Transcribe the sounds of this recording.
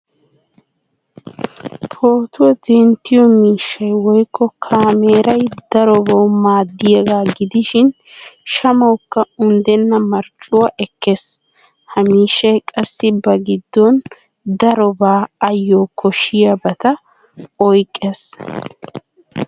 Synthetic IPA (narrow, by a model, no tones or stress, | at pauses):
t̪ʰo̞ːt̪ʊwɔd̪ɛnt̪ːɪjɔmiːʃːɐjwɔjkːɔkʰaːmeːɾʔɐjd̪̥ɐɾɔbɐwmaːd̪ːɪjɛɡaːɡɪd̪ɪʃɪn | ʃɐmɐwkːɐʊnd̪ɛnːɐmɐɾt͡ʃʼːʊwɐʔɛkːes | hɐmiːʃːɐjkʼɐsːɪbɐɡɪd̪ːɔn | d̪ɐɾɔbaːɐjːokʰɔʃːɪjɐbɐt̪ɐ | ɔjkʼːes